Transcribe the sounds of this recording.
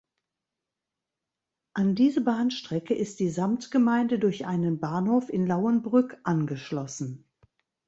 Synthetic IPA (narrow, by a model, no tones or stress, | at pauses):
ʔandiːzəbaːnʃtʁ̥ɛkəʔɪst̚d̥iːzamtɡ̥əmaɪndədʊɐçʔaɪnənbaːnhoːfɪnlaʊənbʁʏkʔanɡəʃlɔsn̩